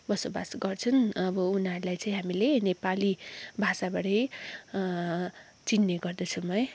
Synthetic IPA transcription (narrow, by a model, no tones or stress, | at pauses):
bʌsoba̰sɡʌrt͡sʰʌnʌbʌunɦʌɾulajt͡sʌ̃ĩɦamilenepalibʱasabaɽʌj | t͡sinːeɡʌrd̪ʌt͡sʰumʌj